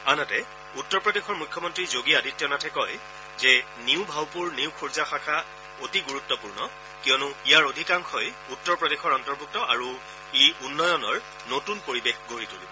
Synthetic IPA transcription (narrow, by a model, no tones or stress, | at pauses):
anatɛ | utːɔɹpɹɔdexʰɔɹmukʰjɔmɔntɹizoɡiadʱitːjɔnatʰɛkɔj | zɛ | niʊbʱawpuɹniʊwkʰuɹzaxakʰa | otiɡuɹutːɔpuɹnɔ | kijɔnʊijaɹodʱikaŋkʰɔj | utːɔɹpɹɔdexɔɹɔntɔɹbuk̚tɔʔa̰ɹu | eunːɔjɔnɔɹ | notunpoɹibexɡʱoɹitulibɔ